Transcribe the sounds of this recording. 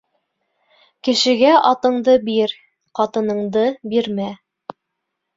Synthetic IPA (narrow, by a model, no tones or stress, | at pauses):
kɘ̆ʃɘ̆ɡæʔɑt̪ɤ̆ɴd̪ɤbiɾ | qɑt̪ɤ̆nɤ̆ɴd̪ɤbiɾmæ